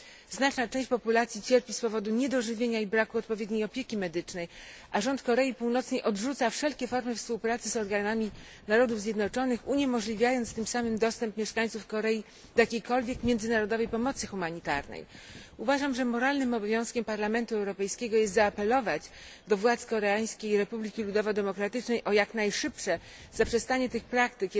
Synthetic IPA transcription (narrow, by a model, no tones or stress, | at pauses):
znat͡ʂnat͡ʂɛ̃w̃ɕt͡ɕʲpɔpulat̪sʲjit͡ɕɛɾpʲispɔvɔd̪uɲɛd̪ɔʐɘvʲjeɲaibɾakuɔt̪pɔvʲjɛd̪ɲejɔpʲjekʲimɛd̪ɘt͡ʂnɛjʔaʐɔnt̪kɔɾɛjipuwnɔt̪sɲejʔɔdʐut̪safʂɛlkʲɛfɔɾmɘfspuwpɾat̪sɘzɔɾɡanamʲi | naɾɔd̪uvzʲjɛd̪nɔt͡ʂɔnɘxuɲɛmɔʐlʲivʲjajɔnt̪st̪ɘmsamɘmd̪ɔst̪ɛmpmʲjɛʂkaɲ̃ʲt̪sufkɔɾɛji | d̪ɔjakʲejkɔlvʲjɛkmʲjɛndzɘnaɾɔd̪ɔvɛjpɔmɔt̪sɘxumaɲit̪a̰ɾnɛ̰juvaʐamʐɛmɔɾalnɘmɔbɔvʲjɔ̃w̃skʲɛmpaɾlamɛnt̪uɛwɾɔpɛjskʲɛɡɔjɛst̪zaːpɛlɔvat͡ɕ | d̪ɔvwat̪skɔɾɛaj̃skʲejiɾɛpublʲikʲilud̪ɔvɔd̪ɛmɔkɾat̪ɘt͡ʂnɛjʔɔjaknajʂɘpʂɛ | z̥apʂɛst̪aɲɛt̪ɘxpɾakt̪ɘkʲ